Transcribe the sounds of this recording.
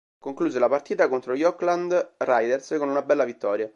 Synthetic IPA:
koŋkluːzelapart̪iːt̪akont̪ɾojɔkland̪rajd̪erskonunabɛlːavit̪ːɔːɾja

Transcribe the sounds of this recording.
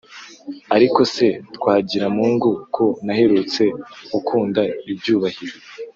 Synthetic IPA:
aɾiko̞se̞tkwaːɟiɾamuːŋɡukʰonahe̞ɾut͡se̞ukʰuːndaibjuːβahiɾo

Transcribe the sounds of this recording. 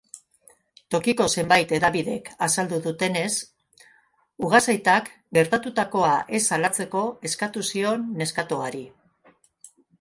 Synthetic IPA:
t̪o̞kiko̞se̞mbajt̪e̞ðaβiðe̞kasald̪uðut̪e̞ne̞s | uɣasajt̪ak | ɡe̞ɾt̪at̪ut̪ako̞aʔe̞salat͡se̞ko̞e̞skat̪usio̞nːe̞skat̪o̞aɾi

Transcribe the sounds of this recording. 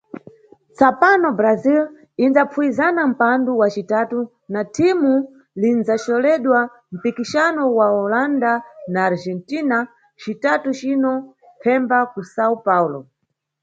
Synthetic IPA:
t͡sapanɔbɾazil | inzapfuizanam̩panduwat͡ʃitatu | natʰimu | linzat͡ʃɔlɛɗwa | m̩pikiʃanɔwaɔlandanaːɾd͡ʒɛntina | t͡ʃitatut͡ʃinɔ | pʰɛmbakusaupaulɔ

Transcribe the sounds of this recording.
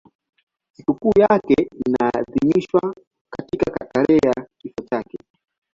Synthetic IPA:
sikukuːjakɛinaːðimiʃwa | katikakakalɛjakifat͡ʃakɛ

